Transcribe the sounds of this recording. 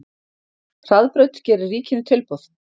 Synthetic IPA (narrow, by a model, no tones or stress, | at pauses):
r̥aðpɾœɥt̪cɛːɾʏrːiːcɪnʏt̪ʰɪlpowθ